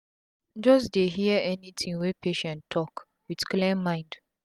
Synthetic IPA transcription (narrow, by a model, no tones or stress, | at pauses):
d͡ʒʌs̬deɦiəɛnitʰĩwɛpʰeʃɛ̃ntʰːɔk | wið̥klɛ̃nmãɪ̃nd